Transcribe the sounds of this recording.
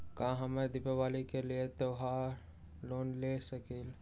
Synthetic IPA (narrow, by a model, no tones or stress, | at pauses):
kãɦəmed̪ɪpeʋaːlikeliet̪oɦa | loːnlesəkil